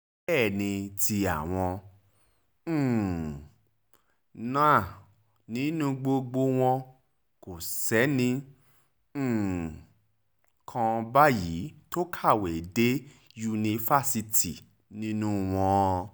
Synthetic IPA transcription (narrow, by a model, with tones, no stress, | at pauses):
ɛː˦˨nĩ˧ti˧a˨w̃ɔ̃˧˦˨ | nã˦˨ | nĩ˨˦nũ˦ɡ͡bo˧ɡ͡bo˧w̃ɔ̃˧ | ko˨sɛ˨˦nĩ˧˦˨ | kʰã˧ba˦ji˨˦to˦kʰa˦˨we˨de˦ | ju˧nĩ˧fa˦˨si˧ti˨ | nĩ˦nũ˦w̃ɔ̃˧